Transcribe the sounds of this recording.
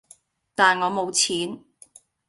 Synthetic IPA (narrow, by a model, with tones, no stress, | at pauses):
t̪aː˨nŋɔː˨˧mo˨˧wt͡sʰiː˨˥n